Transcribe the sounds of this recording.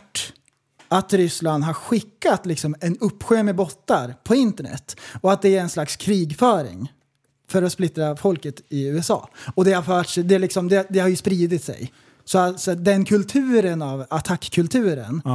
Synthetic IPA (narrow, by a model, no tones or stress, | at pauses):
ʈː | at̪ɾʏsland̪ɦaɾɧɪkːat̪lɪksɔmɛnɵpːɧøːmɛbɔt̪ːaɾpʰɔɪnt̪əɳɛ̰t̪ːɔat̪̚d̪ɛæɾɛnslakskʰɾiːɡfœːɾɪ̰ŋ | fœɾɔsplɪt̪ɾafɔlkət̪ɪʉːɛsɑ̰ːɔd̪ɛhaɾfœːʈʂɛd̪ɛlɪksɔmd̪ɛd̪ɛhaɾjɵspɾiːd̪ɪt̪sɛ̰j | sɔasɔad̪ɛnkʰɵlt̪ʰʉ̟ːɾənavat̪ʰakːkʰːɵlt̪ʰʉ̟ːɾə̰n